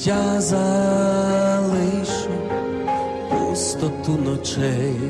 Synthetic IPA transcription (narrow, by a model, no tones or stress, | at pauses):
jaza | lˠɪʃʊ | pɔst̪ɔt̪unɔt͡ʃɛj